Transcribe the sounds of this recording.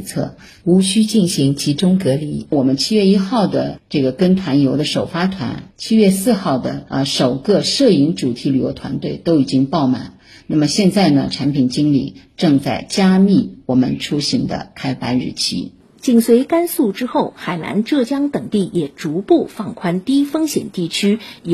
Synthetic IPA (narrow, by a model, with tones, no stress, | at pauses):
t͡sʰɤ̰˥˩ | u˧˥ɕy˥t͡ɕi˥˩nɕi˧˥ŋt͡ɕʰi˧˥ʈ͡ʂʊ˥ŋkɤ˧˥li˧˥wɔ˨˩mə˦nt͡ɕʰi˥ɥɛ˥˧i˥xɑ˥˩ʊd̪ə˩ʈ͡ʂɤ˥˩ɡə˩kə˥nt̪ʰwa˧˥njo˧˥ʊd̪ə˧ʂo˨˩ʊfa˥t̪ʰwa̰˧˥nt͡ɕʰi˥ɥɛ˥˧sɹ̩˥˧xɑ˥˩ʊd̪ə̰˩˧ʂo˨˩ʊkə˥˧ʂɤ˥˩i˧˥ŋʈ͡ʂu˨˩t̪ʰi˧˥ly˨˩jo˧˥t̪ʰwa̰˧˥nt̪we˥˩ɪt̪o˥ʊi˨˩t͡ɕi˥ŋpɑ˥˩ʊma̰˨˩˦n | na˥˩mə˩ɕjɛ˥˧nt͡sa˥˩ɪnə̰˩ʈ͡ʂʰa˧˥npʰi˨˩nt͡ɕi˥ŋlḭ˨˩˦ʈ͡ʂɤ˥˧ŋt͡sa˥˩ɪt͡ɕja˥mi˥˩wɔ˨˩mə̰˦nʈ͡ʂʰu˥ɕi˧˥ŋd̪ə̰˧kʰa˥ɪpa˥nɻɻ̩̰˥˩t͡ɕʰḭ˥ | t͡ɕi˨˩ŋswe˧˥ɪka˥nsu˥˩ʈ͡ʂɻ̩˥xo˥˩ʊxa˨˩ɪna̰˧˥nʈ͡ʂɤ˥˩t͡ɕjɑ˥ŋt̪ɤ˨˩ŋt̪i˥˩jɛ˨˩ʈ͡ʂu˧˥pu˥˧fɑ˥˩ŋkʰwa˥nt̪i˥fɤ˥ŋɕjɛ̰˨˩nt̪i˥˩t͡ɕʰy˥